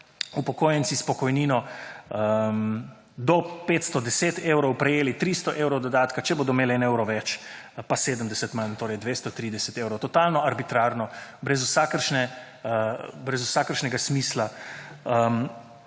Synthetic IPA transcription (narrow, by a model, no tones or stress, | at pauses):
upɔkoːjənsispɔkɔjniːnɔəm | d̪ɔpet̪st̪ɔd̪ɛseːt̪ewɾɔwpɾɛjeːlit̪ɾiːst̪ɔʔewɾɔwd̪ɔd̪aːt̪kat͡ʃɛboːd̪ɔmeːlɛneːwɾɔʋɛt͡ʃ | paseːd̪əmd̪ɛsət̪mant̪oːɾɛjd̪ʋest̪ɔt̪ɾiːd̪ɛsɛt̪eːwɾɔwt̪ɔt̪alnɔaɾbit̪ɾaːɾnɔbɾɛzusakəɾʃnɛ | bɾɛzusakəɾʃnɛɡasmiːslaəm